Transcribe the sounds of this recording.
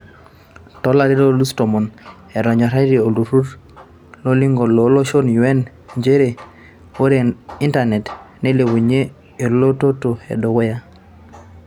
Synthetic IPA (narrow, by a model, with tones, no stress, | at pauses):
tɔ˦la˨ɾi˦ɾo˦lu˦sto˨mɔ˨n | ɛ˨ɾɔ˨ɲɔ˨ɾa˦i˦ɾi˨o˨lu˨ɾu˦ɾ | lo˦li˦ŋɡo˨lo˨˦lo˦ʃo˦nju˨ɛ˦n | ɲd͡ʒe˦ɾe˨ | wo˦ɾe˨i˦nta˨nɛ˨tne˦le˨wu˨ɲe˦ | e˨llo˦to˦to˨ɛ̰˨do˨ɡo˦ja˦